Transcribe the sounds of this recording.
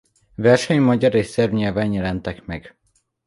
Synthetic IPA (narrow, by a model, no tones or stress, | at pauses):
vɛrʃɛɲmɒɟɒɾesɛrvɲɛvɛnjɛlɛnt̪ɛkmɛɡ